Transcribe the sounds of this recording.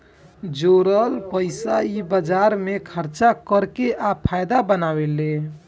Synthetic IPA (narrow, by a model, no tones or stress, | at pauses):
d͡ʒoɾəlpəɪsaibəd͡ʒaɾmekʰəɾt͡ʃakəɾkeʔapʰajd̪abənawele